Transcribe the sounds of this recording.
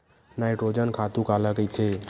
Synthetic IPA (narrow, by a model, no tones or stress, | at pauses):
naːɪʈɾoːd͡ʒənkʰaːt̪ũkalakəit̪ʰe